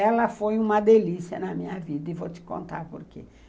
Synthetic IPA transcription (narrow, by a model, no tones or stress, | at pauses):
ɛlɐfojũmɐd̪elisjɐnɐmĩɲɐvid̪ɐɪvot͡ʃ̪ɪ̥kõ̰nt̪aɾpoɾkḛ